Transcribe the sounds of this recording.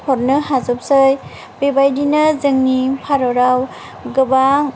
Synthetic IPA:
pʰɔɾnɯɦazɔp̚sɯj | bebajdinazɯŋnipʰaɾɔɾaw | ɡɯbaŋ

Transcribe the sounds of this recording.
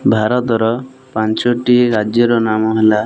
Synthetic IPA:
bʱaɾɔt̪ɔɾɔ | pant͡ʃɔʈiɾad͡ʒjɔɾɔnamɔɦela

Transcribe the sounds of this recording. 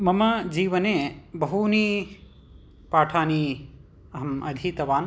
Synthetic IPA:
mɐmɐd͡ʒiːʋɐneːbɐɦuniː | paːʈʰaːniː | ɐɦɐmɐd̪ʱiːt̪ɐʋaːn

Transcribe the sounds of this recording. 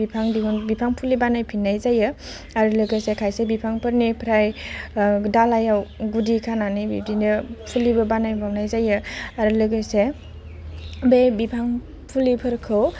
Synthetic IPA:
bipʰaŋdiunbipʰaŋpʰulibanajpʰinːajzajɯ | aɾlɯɡɯsekʰajsebipʰaŋpəɾnipʰɾaj | dalajawɡudikʰananibḭbdinɯpʰulibɐbanajbawnajzajɯaɾlɯɡɯse | bebipʰaŋ | pʰulipʰɯɾkʰɯw

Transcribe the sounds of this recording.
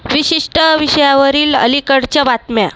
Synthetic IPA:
ʋiɕiʂʈəʋiɕəjaʋəɾiːlə̰likəɽt͡ɕjabat̪mja

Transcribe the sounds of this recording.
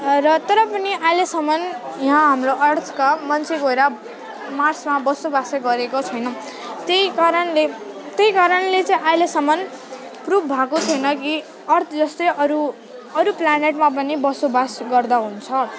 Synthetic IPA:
rʌt̪ʌɾʌpʌniʔajlesʌmʌnjɦãɦamroʔʌrt̪ʰkamʌnt͡sʰeɡoɾa | marsmabʌsobaseɡʌɾekot͡sʰʌjnʌ | t̪ejkaɾʌnle | t̪ʌjkaɾʌnlet͡sʌ̃ĩʔajlesʌmʌn | prubʰbʱakot͡sʰʌjnʌki | ʌrt̪ʰʌd͡zʌst̪ʌjʌɾu | ʌɾuplaneʈmap̬ʌnibʌsobasɡʌrd̪aɦunt͡sʰʌ

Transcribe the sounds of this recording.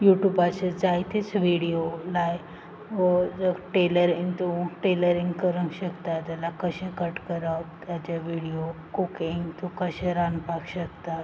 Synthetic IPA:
juʈjubat͡ɕed͡zajt̪it͡sʋiɽijolaj | ʋəd͡zəɡʈeləɾiŋt̪uʈeləɾĩŋɡkəɾə̃ŋɕəkt̪ad͡ʑalakəɕẽkəʈkəɾat̪jat͡ɕaʋiɽiokukiŋɡt̪ukəɕẽɾanpakɕəkt̪at̪

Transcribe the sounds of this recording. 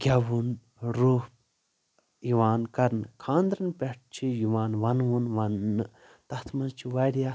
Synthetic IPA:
ɡʲɐʋun | ɾuːh̚ | iʋaːnkɐɾnkʰãːnd̪ɾɐnpʲeʈ̚t͡ʃʰijiʋaːnʋɐnʋunʋɐnːɨ | t̪ɐt̪ʰmɐnt͡ʃʰiʋɐɽjaː

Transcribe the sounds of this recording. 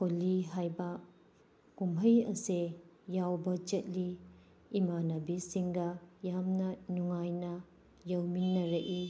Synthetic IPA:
kʰolːiɦajbɐ | kumbʰʱəjɐse | jawbɐt͡ʃet̚liː | manɐbisiŋɡɐjamnɐnuŋajnɐ | jɐwminːɐɾɐʔi

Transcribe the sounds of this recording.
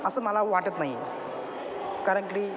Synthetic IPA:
əsəːməlaʋaʈət̪naɦi | kaɾəɳkɽi

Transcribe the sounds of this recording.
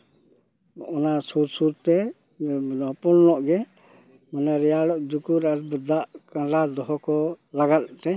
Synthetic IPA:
ɔnasuɾsuɾt̪ɛ | nɔɦpɔlnɔʔɡɛ | mɔnaɾɛjaɽɔʔd͡ʒ̪ukuɾaɾbəd̪aʔkãlad̪ɔɦɔkɔlaɡat̪̚t̪ɛ

